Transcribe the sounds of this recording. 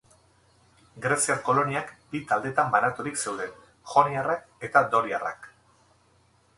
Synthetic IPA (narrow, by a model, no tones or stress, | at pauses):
ɡɾe̞siaɾko̞lo̞niakbit̪ald̪e̞t̪ambanat̪uɾikse̞wðe̞n | xo̞niarak | e̞t̪ad̪o̞liara̰k